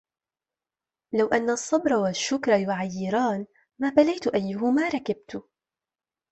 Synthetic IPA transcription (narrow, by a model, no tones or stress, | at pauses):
lawʔanːasˤːɑbɾˤɑwaʃːʊkɾˤɑjʊʕajːɪɾaːn | maːbalajt̪ʊʔajːʊhʊmaːɾˤɑkab̚t̪ʊ